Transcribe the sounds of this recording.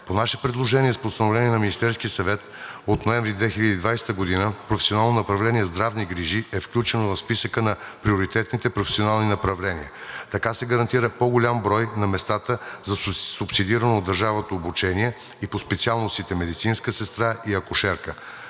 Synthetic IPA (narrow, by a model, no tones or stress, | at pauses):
ponaʃɛpɾɛd̪lˠoʒɛniɛspost̪ɐnovlʲɛnʲiɛnɐminist̪ɛɾskiəsɐvɛt̪ | ot̪noɛ̃ɱvɾid̪vɛxilʲəd̪iːd̪vajst̪əɡod̪inəpɾofɛ̥sionalˠnonɐpɾɐvlɛniɛzd̪ɾavniɡɾiʒiɛfklʲut͡ʃɛnovɐfspisəkənɐpɾioɾit̪ɛt̪nit̪ɛpɾofɛ̥sionalˠninɐpɾɐvlɛnḭɛt̪ɐkasɛɡəɾɐnt̪iɾəpoɡʊlʲambɾɔjnɐmɛst̪at̪əzɐsʊpsid̪iɾənoːd̪ːəɾʒavət̪oːbut͡ʃɛniɛ | ipospɛt̪sialˠnost̪it̪ɛmɛd̪it̪sinskəsɛst̪ɾaʔiɐkoʃɛɾkə